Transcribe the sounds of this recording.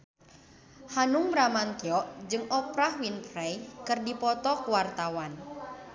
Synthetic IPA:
hanuŋbɾamankiɔʔd͡ʒɨŋɔpɾahwinpɾɛjkɨrdipɔt̪ɔkuwart̪awan

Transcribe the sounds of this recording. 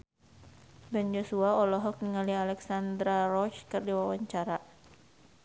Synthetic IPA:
bɛnd͡ʒosuaɔlɔɦɔk̚niŋalialɛksand̪ɾarɔt͡ʃkɨrdiwawaɲt͡ʃaɾa

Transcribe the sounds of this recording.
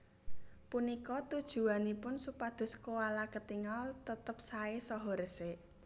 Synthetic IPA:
punikɔt̪ud̥ʒ̥ṳanipʊnsupad̪̥ʊ̤skowalakət̪iŋɔlt̪ət̪əp̚saesɔɦɔɾəse

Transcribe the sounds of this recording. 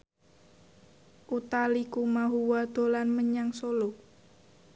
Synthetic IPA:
ʔut̪alikumaɦuwad̪̥o̤lanməɲaŋsolo

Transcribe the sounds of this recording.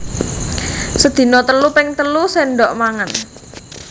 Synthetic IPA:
səd̪̥i̤nɔt̪əlupɪŋt̪əluseɳɖɔʔmaŋən

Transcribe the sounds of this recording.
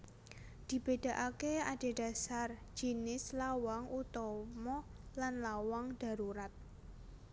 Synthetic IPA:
d̪̥i̤b̥ed̥a̤ʔakead̥e̤ɖ̥a̤sard͡ʒinɪslawaŋut̪ɔmɔlanlawaŋd̥a̤ɾuɾat̪̚

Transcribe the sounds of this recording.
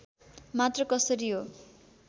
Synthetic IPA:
mat̪rʌkʌsʌɾiɦo

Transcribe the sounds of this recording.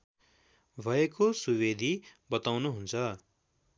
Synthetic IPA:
bʱʌekosubed̪ʱibʌt̪awnuɦunt͡sʰʌ

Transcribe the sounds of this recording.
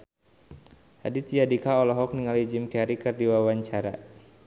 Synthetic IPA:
ha̰dit̪ijadikaɔlɔɦɔk̚niŋalid͡ʒɪmkɛɾikɨrdiwawaɲt͡ʃaɾa̰

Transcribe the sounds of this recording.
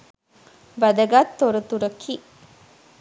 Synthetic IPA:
bɐd̪ɐɡaːt̪ːoɾut̪uɾɐkʰi

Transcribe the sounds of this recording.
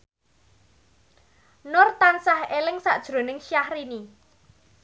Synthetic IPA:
nʊrt̪ansahelɪŋsaʔd̥ʒ̥ɾo̤nɪŋʃiahrini

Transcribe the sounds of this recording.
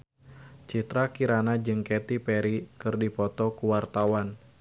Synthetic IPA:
t͡ʃit̪ɾakiɾanad͡ʒɨŋkɛt̪ipɛɾikɨrdipɔt̪ɔkuwart̪awan

